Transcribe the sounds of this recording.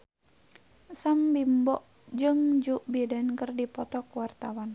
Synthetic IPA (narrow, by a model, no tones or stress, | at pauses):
sambimbɔʔ | d͡ʒɨŋd͡ʒuʔbidankərdipɔt̪ɔkuwart̪awan